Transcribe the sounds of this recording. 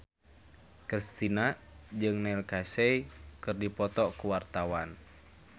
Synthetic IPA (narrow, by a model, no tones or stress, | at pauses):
kɾist̪inad͡ʒɨŋnɛlkasɛikɨrdipɔt̪ɔkuwart̪awan